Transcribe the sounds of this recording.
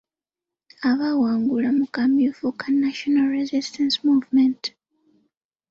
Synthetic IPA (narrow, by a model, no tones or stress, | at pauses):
aβawaːŋɡulamukamiufukanaʃonalɾezistansmuvmẽnt